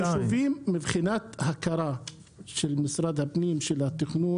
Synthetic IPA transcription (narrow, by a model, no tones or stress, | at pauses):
suvimːibχinat̪hakaɾˤa | ʃelmisɾad̪hapnimʃelhat̪ːiχnu